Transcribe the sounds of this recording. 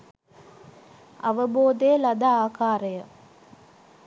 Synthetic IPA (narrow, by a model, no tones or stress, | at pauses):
aʋəboːd̪ejəlad̪aaːkaːɾəjə